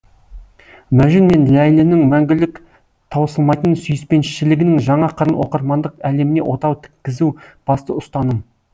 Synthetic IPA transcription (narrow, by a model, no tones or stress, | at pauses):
mæʒɪnme̞nlæjlɪnɪŋmæŋɡʲɪlɪk | t̪ʰɑwəsəlˠmɑjt̪ənsʏjɪspe̞nʃʃɪlɪɡʲɪnɪŋʒɑɴɑqʰəɾənwo̰qəɾmɑnd̪əqæle̞mɪne̞̰wʔo̞t̪ɑwt̪ʰɪ̥kʲːɪzub̥ɑst̪əʊst̪ɑnəm